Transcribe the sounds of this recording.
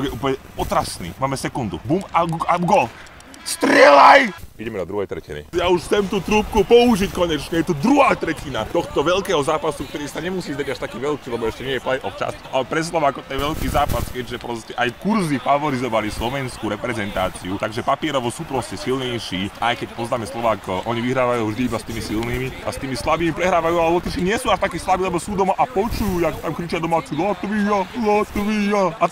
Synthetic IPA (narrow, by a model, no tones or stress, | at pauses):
ɔɡjɛuplɲɛpɔt̪ɾasnḭːmaːmɛsɛkund̪ṵbumaɡaɡɔl | st̪ɾɛlajiɟɛmɛd̪ɔd̪ɾuɦɛjt̪ɾɛcḭnḭjauʃxt͡sɛmt̪uːt̪ɾuːp̚kupɔuʒickɔɲɛt͡ʃɲɛjɛt̪ud̪ɾuɦaːt̪ɾɛcinat̪ɔxt̪ɔʋɛlkɛːɦɔzaːpasukt̪ɔɾiːsaɲɛmusiːzd̪aɟaʃt̪akiːʋɛlkiːlɛbɔɛʃcɛɲɪɛjɛplɛjʔɔft͡ʃa̰scʔalɛpɾɛs̬laʋakɔt̪ɛnʋɛlkiːzaːpaskɛɟʒɛpɾɔscɛʔajkuɾzifaʋɔɾizɔʋalislɔʋɛnskuɾɛpɾɛzɛnt̪aːt͡siut̪aɡʒɛpapɪɛɾɔʋɔsuːpɾɔscɛsilɲɛjʃiːʔajkɛc̚pɔznaːmɛslˠɔʋaːkɔʔɔɲiʋiɦɾaːʋajuːvʒd̪iibast̪iːmisilniːmiʔa̰st̪iːmislabiːmipɾɛɦɾaːʋajuːalɛlɔt̪iʃiɲɪɛsuːaʃt̪akiːslˠabiːlɛbɔsuːd̪ɔmaʔapɔt͡ʃujuːjakt̪amkɾit͡ʃɪad̪ɔmaːt͡silɔt̪ʋijalɔt̪ʋijaa